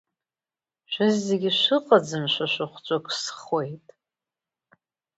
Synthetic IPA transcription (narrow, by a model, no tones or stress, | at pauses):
ʃʷᶣazːeɡʲiʃʷɨqʼad͡zɨnʃʷaʃʷaχʷt͡ʃʷʼakʰʼsχwejtʼ